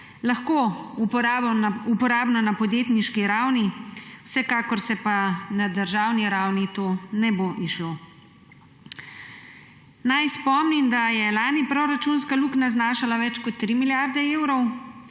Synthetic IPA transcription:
laxkoːuɾaupɔɾaːbnɔnapɔd̪jeːt̪niʃkiɾawniwsɛkaːkɔɾsɛpanad̪əɾʒaːwniɾawnit̪oːnɛboʔiʃlo | najspɔmnimd̪ajɛlaːnipɾɔɾat͡ʃunskaluknaznaːʃalaʋɛt͡ʃkɔt̪ːɾimiljaɾd̪ɛeːwɾɔw

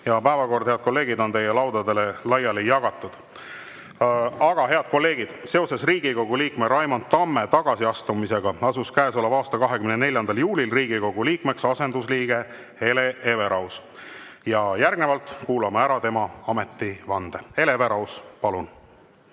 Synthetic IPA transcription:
jɑpæevɑko̞rd̪̥heɑd̪̥̚ko̞lːe̞ːɡid̪o̞nt̪e̞jelɑwd̪̥ɑd̪e̞le̞lɑjɑlijɑɡ̥ɑt̪ːˑud̪̥ | ɑɡ̥ɑɦe̞ɑd̪̥̚ko̞lːe̞ːɡ̥id̪̥se̞o̞se̞sriːɡiko̞ɡ̥uliːkme̞ɾɑjmɑnt̪t̪ːɑmːe̞t̪ɑɡ̥ɑsiɑst̪umise̞ɡ̥ɑɑsuskæːso̞lːɑvɑːst̪ɑkɑɦe̞kymnene̞lʲjɑnd̪ɑljuːlilriːɡ̥iko̞ɡ̥uliːkme̞ksɑse̞nd̪usliːɡ̥e̞ | eleeve̞ɾɑws | jɑjærɡ̥nevɑlt̪ˑkuːlɑmeæɾɑt̪e̞mɑɑme̞t̪ːivɑnd̪̥ee̞leve̞ɾɑwspɑlun

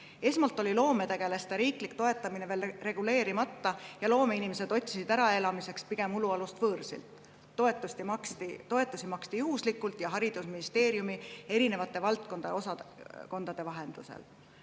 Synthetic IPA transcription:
e̞smɑlt̪ːˑo̞lʲilo̞ːme̞t̪e̞ɡ̥e̞lest̪ɑɾiːklik̚t̪o̞e̞t̪ːˑɑmineve̞ːlre̞ɡ̥ule̞ːɾimɑt̪ːɑjɑlo̞ːme̞inimese̞d̪̥o̞t̪ʲsisid̪æɾɑe̞lɑmise̞kspiɡ̥e̞muluɑlust̪vɤːrsḭlt̪ː | oet̪ːˑust̪imɑkst̪it̪o̞e̞t̪ːˑusimɑkst̪ijuhuslikːˑult̪jɑɦɑɾid̪̥usminist̪e̞ːɾjumie̞ɾine̞vɑt̪ːˑe̞vɑlt̪̚ko̞nd̪̥ḛo̞sɑko̞nd̪̥ɑd̪̥e̞vɑɦe̞nd̪̥ṵsḛl

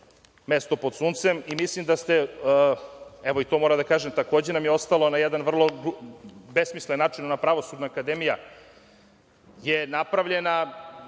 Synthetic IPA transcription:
mest̪o̞pod̪suːnt̪semimislimd̪ast̪e | ɛʋo̞it̪o̞mo̞ɾamd̪akaːʒemt̪ako̞ːd͡ʑenamjeo̞st̪alonajed̪anʋr̩lˠo̞ | besmislenːaːt͡ʂinonapɾaʋo̞sud̪naːkad̪emija | jenapɾaʋʎe̞na

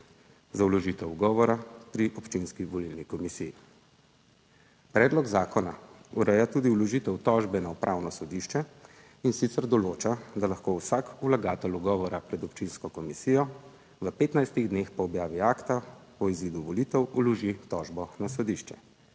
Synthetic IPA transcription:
zaulɔʒit̪ɛwuɡɔːʋɔɾapɾiʔɔpt͡ʃinskiʋɔlilnikɔmisiji | pɾɛːd̪lɔɡzaːkɔnauɾɛjat̪uːd̪iulɔʒiːt̪ɛwt̪ɔʒbɛnaupɾʔaːwnɔsɔd̪iʃt͡ʃɛ | insit̪sɛɾd̪ɔloːt͡ʃad̪alaxkowsakulaɡaːt̪ɛluɡɔːʋɔɾapɾɛd̪ɔpt͡ʃinskɔkɔmisijɔ | ʋəpeːt̪najst̪iɣd̪neːxpɔːbjaːʋiaːkt̪a | ɔiziːd̪uʋɔlit̪ɛwulɔʒit̪ɔʒbɔnasɔd̪iʃt͡ʃɛ

